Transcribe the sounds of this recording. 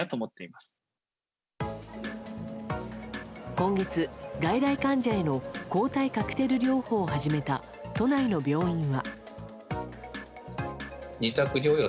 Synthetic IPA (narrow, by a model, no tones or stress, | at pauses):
at̪oːmot̪ːe̞imasɨ̥ | kõ̞ŋɡe̞t͡sɨɡaid̪aikãɲ̟d͡ʑae̞no̞ko̞ːt̪aikakɯ̥t̪e̞ɾɯ̟ɾʲo̞ːho̞ːhaʑime̞t̪a | t̪o̞naino̞bʲjo̞ːĩɰ̃βa | ɲit̪akɯ̟ɾʲoːjo